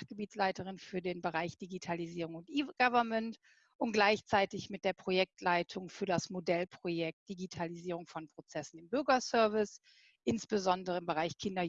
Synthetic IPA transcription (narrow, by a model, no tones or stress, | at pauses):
χɡ̥əbiːtslaɪtəʁɪnfyːɐdeːnbəʁaɪçd̥iɡitʰaliziːʁʊŋʊntʔiɡ̥avɐmɛnt | ʔʊntɡ̥laɪçt͡saɪtɪçmɪt̚d̥eːɐpʁ̥ojɛk̚tʰlaɪtʰʊŋfyːɐdasmodɛlpʁ̥ojɛk̚td̥iɡitʰaliziːʁ̞ʊŋfɔnpʁ̥ot͡sɛsn̩ɪmbʏɐɡɐsœɐvɪs | ʔɪnsb̥əzɔndəʁəɪmbəʁaɪçkʰɪndɐ